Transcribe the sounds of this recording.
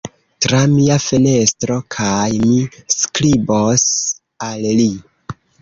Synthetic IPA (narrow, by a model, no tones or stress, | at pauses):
tɾamiafe̞ne̞stɾo̞kʰajmiskɾibos | alli